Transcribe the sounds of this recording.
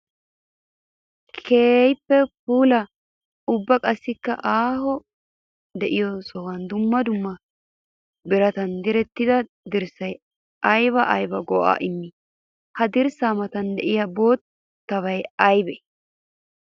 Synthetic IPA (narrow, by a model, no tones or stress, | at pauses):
kʰeːjpːɛpuːlɐ | ʊbːɐkʼɐsːɪkːɐ̰ʔaːhɔ | d̪ɛʔɪjɔsɔwɐnd̪ʊmːɐd̪ʊmːɐ | bɪɾɐt̪ɐnd̪ɪɾɛt̪ːɪd̪ɐ | d̪ɪɾsɐj | ɐjβɐʔɐjbɐɡɔʔa̰ːʔɪmːɪ | hɐd̪ɪɾsaːmɐt̪ɐnd̪ɛʔɪjɐbo̞ːt̪ː | ɐβɐjɐjbɛ